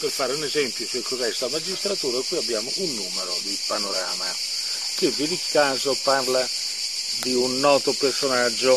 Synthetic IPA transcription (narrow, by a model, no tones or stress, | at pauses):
perfaːɾeunɛzɛmpjʊsulkozɛst̪amad͡ʒist̪ɾat̪uːɾakwiːabːjaːmʊʔunːuːmeɾo̰d̪ipanoɾa̰ːma | k̟ɪvːɪd̪ikːaːzoparla | d̪iunːɔːt̪opersonad͡ʒːʊ